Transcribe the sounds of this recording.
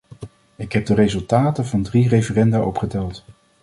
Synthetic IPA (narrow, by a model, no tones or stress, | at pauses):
ɪkɦɛb̚dərezɵlˠtaːtəvɑndrirejvərɛndaʔɔpχədɛlˠt